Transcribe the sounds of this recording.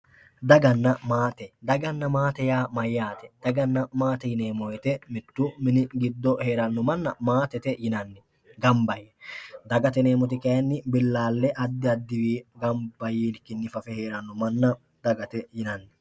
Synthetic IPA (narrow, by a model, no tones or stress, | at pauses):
d̪ɐɡɐnːɐmaːt̪ɛd̪ɐɡɐnːɐmaːt̪ɛjaːmɐjːaːt̪ɛ̥d̪̥ɐɡɐnːɐmaːt̪ɛjɪneːmɔjɛt̪ɛmɪt̪ːʊmɪnɪɡɪd̪ːɔhe̞ːɾɐnːɔmɐnːɐmaːt̪ɛt̪ɛjɪnɐnːɪ | ɡɐmbɐjɛd̪ɐɡɐt̪ɛneːmɔt̪̬ɪkɐjɐnːɪbɪlːaːlːɛʔɐd̪ːɪɐd̪ːɪwiːɡɐmbɐjiːnkɪnːɪfɐfɛheːɾɐnːɔmɐnːɐ | d̪̥ɐɡɐt̪ɛjɪnɐnːɪ